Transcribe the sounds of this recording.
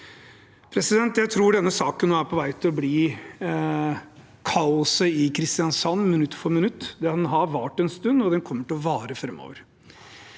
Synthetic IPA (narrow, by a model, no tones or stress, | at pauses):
pʰɾɛsɪd̪ɛnt̪jæɪt̪ʰɾuːɖɛnːəsɑːkənːoːæɾpʰɔʋæɪt̪ʰɪlɔbliː | kʰɑʊsəɪkʰɾɪst̪ɪjɑnsɑnːmɪnʉt̪ːfɔɾmɪnʉt̪ːd̪ɛhɑnɦɑɾʋɑʈɛnst̪ʉnːɔd̪ɛnkʰɔmːəʈɪɔʋɑːɾəfɾɛmːo̰ːʋəɾ